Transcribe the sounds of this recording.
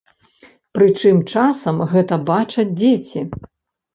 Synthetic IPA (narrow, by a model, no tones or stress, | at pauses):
pɾɨt͡ʂɨmt͡ʂasɐmɣɛt̪ɐbat͡ʂɐd͡zʲd͡zʲet͡sʲi